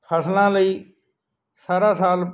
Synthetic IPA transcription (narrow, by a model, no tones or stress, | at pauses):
kʰəslãːləiː | saːɾãːsaːl